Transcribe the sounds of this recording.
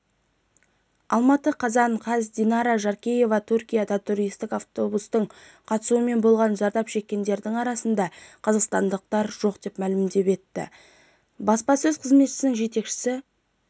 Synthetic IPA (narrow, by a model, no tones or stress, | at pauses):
ɑ̰lˠmɑt̪əqʰɑzɑɴqʰɑzd̪inɑɾɑʒɑɾkʲeje̞vɑt̪ʰuɾkʲijɑd̪ɑt̪ʰuɾijst̪ɪkaft̪o̞bust̪əɴ | qʰɑt̪ə̥suəme̞nbo̞lˠʁɑnʒɑɾd̪ɑpʃe̞kʲːe̞nd̪e̞ɾd̪ɪŋɑɾɑsənd̪ɑqʰəzɑqst̪ɑnd̪əq̚t̪ɑɾʒo̞qd̪e̞pmælɪmd̪e̞pe̞t̪ːɪ̰ | bɑspɑsɵzqʰəzme̞t̪ʃɪ̥sɪnɪŋʒe̞t̪e̞kʃɪ̥sɪ